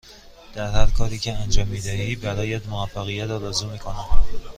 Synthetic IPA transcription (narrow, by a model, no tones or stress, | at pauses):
d̪̥æɾhæɾkʰɒːɾiːcʰeænd͡ʒɒːmːiːd̪æhiːbæɾɒːjæd̪moæfːæɣijːæt̪ɒɾɒːzumiːkʰonæd̪